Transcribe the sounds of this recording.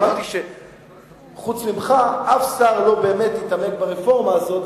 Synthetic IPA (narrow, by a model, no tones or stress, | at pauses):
aʁt̪iʃe | χut͡smimχaafsaʁlo̞be̞ːme̞t̪lit̪ame̞kbaʁefo̞ʁmaːzo̞t̪